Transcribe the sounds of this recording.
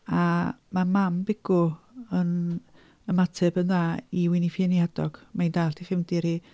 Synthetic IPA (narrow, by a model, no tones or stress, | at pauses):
amamambɪɡ̥ʊ | ən | əmatʰɛbənðaːiwɪnifjənjadɔɡ̥maindaːɬtʰiχɪmdɪɾi